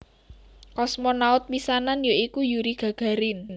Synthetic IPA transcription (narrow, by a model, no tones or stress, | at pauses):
kɔsmɔnaʊt̪̚wisananjoikujuɾiɡ̥a̤ɡ̥a̤ɾɪn